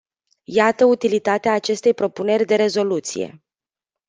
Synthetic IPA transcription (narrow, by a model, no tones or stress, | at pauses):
jat̪əut̪ilit̪at̪eaːt͡ʃe̞st̪e̞jpɾo̞pune̞rʲd̪e̞ɾe̞zo̞lut̪sḭje̞̰